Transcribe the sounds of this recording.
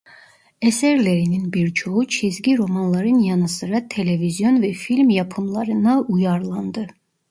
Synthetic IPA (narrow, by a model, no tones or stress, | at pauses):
eseɾleɾininbiɾt͡ʃʰout͡ʃʰizɡʲiɾo̞mɑnlˠɑɾɯnjɑnɯsɯɾɑt̪ʰelevizjo̞nvɛfilʲmjɑpʰɯnlˠɑɾɯnɑujɑɾlˠɑnd̪ɯ